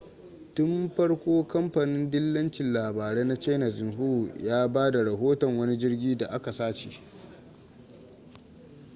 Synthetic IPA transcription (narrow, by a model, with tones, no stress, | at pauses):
tʊ˦mɸɐ˦ɽkʷoː˦kɐ˦mɸa˨nɪ˦ndɪ˦lːɐ˦nt͡ʃɪ˨nlaː˨baː˨ɽeː˦na˦t͡ʃeː˦na˨zɪ˨nɦu˦u˨jaː˦baː˦da˨ɽɐ˨ɦoː˦tɔ˨ŋwɐ˦ni˦d͡ʒɪ˦rɡʲiː˦da˨ʔa˦ka˨saː˦t͡ʃe˨